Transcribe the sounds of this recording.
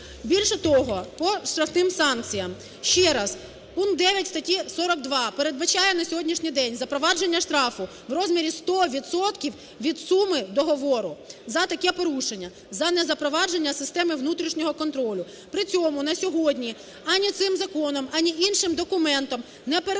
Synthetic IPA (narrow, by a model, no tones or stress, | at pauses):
bʲilʲʃɛt̪ɔɦɔpɔʃt̪ɾɐfnɪmsɑnk̚t͡sʲijɐm | ʃt͡ʃɛɾɑz | punk̚d̪ɛʋʲjɐtʲst̪ɐtʲisɔɾɔk̚d̪ʋɑpeɾe̞d̪̚bɐt͡ʃɑjɛnɐsʲɔɦɔdʲnʲiʃnʲijd̪ɛnʲzɐpɾɔʋɑd͡ʒenʲːɐʃt̪ɾɑfʊ | wɾɔzmʲiɾʲist̪ɔʋʲid̪sɔt̪kʲiw | ʋʲid̪sumɪd̪ɔɦɔʋɔɾʊzɐt̪ɐkɛpɔɾuʃenʲːɐ | zɐnɛzɐpɾɔʋɑd͡ʒenʲːɐsɪst̪ɛmɪwnut̪ɾʲiʃnʲɔɦɔkɔnt̪ɾɔlʲʊ | pɾɪt͡sʲɔmʊnɐsʲɔɦɔdʲnʲi | ɐnʲit̪sɪmzɐkɔnɔmɐnʲiʔinʃɪmd̪ɔkʊmɛnt̪ɔm | nɛpeɾ